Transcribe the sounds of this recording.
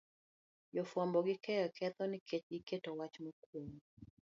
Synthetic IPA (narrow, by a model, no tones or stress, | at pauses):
jɔfwɔmbɔɡɪkɛɔkʰɛt̪ɔnɪkʰet͡ʃɡɪketɔwat͡ʃmokwomu